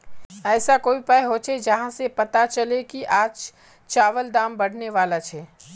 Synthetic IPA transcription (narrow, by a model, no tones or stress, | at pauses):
ɛːsakoːipɛɦot͡ʃʰed͡ʒɐɦãsepɐt̪at͡ʃɐlekiʔaːd͡ʒ | t͡ʃaːʋəld̪aːmbɐɽ̤neʋaːlat͡ʃʰɛː